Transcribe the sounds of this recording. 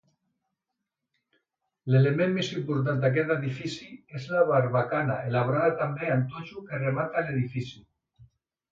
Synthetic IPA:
lelemẽmːesimpoɾt̪̬ant̪eak̬et̪aðifisiezlaβaɾβakanaelaβɾaðat̪ambeant̪ot͡ʃukeremat̪ale̞ðifisju

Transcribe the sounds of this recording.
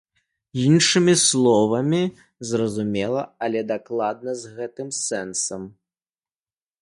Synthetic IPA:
inʂɨmʲislˠɔvɐmʲi | zrɐzumʲɛlˠɐɐlʲɛd̪aklˠad̪̚nɐzɣɛt̪ɨmsɛnsɐm

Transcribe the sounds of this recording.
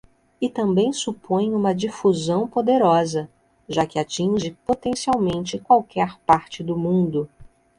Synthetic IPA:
ɪt̪ɐ̃mbẽj̃supõj̃ũmɐd͡ʒifuzɐ̃w̃pod̪eɾɔzɐ | ʒakɪat͡ʃĩʒɪpot̪ẽsiawmẽnt͡ʃɪkwawkɛɾpaɾt͡ʃɪd̪ʊmũnd̪ʊ

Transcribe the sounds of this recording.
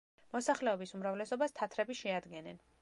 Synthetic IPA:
mɔsaχlɛɔbisumɾavlɛsɔbast̪ʰat̪ʰɾɛbiʃɛad̪ɡɛnɛn

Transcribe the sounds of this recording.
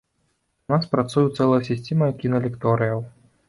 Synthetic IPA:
unaspɾat̪sujut̪sɛlˠɐjɐsʲisʲt͡sʲɛmɐjɐkʲinɐlʲɛkt̪ɔɾɨjɐw

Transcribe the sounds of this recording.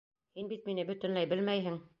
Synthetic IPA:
hinbit̪̚minɘbɵ̆t̪ɘ̆nlæjbɘ̆lmæjɦɘŋ

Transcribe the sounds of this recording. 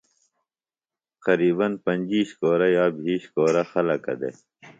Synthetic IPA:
qɐɾiːbɐnpɐnʲd͡ʑiːɕkoːɾajaːbʱiːɕkoːɾɐxɐlɐkɐ̰d̪ḛ

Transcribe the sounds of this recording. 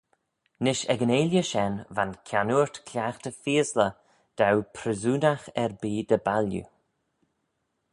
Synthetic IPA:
nɪʃɛɡəneːlʲjəʃɛnvankʰanuːɹt̪kʰlʲjaːxt̪əfiːəslə | d̪̥awpʰɾəzuːnaxɛɹbiːd̪əbaljṵ

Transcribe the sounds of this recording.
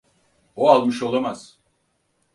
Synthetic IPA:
oalˠmɯʃolˠamaz̥

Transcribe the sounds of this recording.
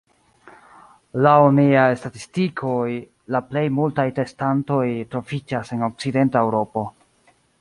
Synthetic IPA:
launiajstatistikʰo̞j | laple̞jmultajte̞stanto̞jtɾo̞vid͡ʒase̞no̞k̚t͡side̞ntae̞wɾo̞po̞

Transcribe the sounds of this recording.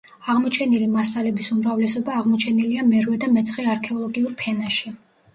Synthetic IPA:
aʁmɔt͡ʃʰɛnilimasalɛbisumɾavlɛsɔbaːʁmɔt͡ʃʰɛniliamɛɾwɛd̪amɛt̪sʰχɛaɾkʰɛɔlˠɔɡiuɾpʰɛnaʃi

